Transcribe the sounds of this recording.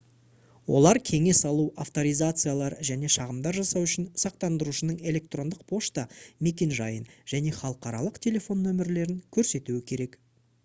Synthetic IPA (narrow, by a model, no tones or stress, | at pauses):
wo̞̰lˠɑɾkʲʰe̞ŋe̞sɑlˠuaft̪o̞ɾijzat̪sɨjalˠɑɾʒæne̞ʃɑʁəmd̪ɑɾʒɑsɑwʏʃɪnsɑq̚t̪ɑnd̪əɾuʃənəɴe̞lʲe̞k̚t̪ro̞nd̪əq̚pʰo̞ʃt̪ɑme̞kʲe̞nʒɑjənʒ̥æne̞χɑlˠəqɑɾɑlˠəqt̪ʲʰe̞lʲe̞fo̞nːɵmɪɾle̞ɾɪŋkʲʰɵɾse̞t̪uɪkʲʰe̞ɾe̞k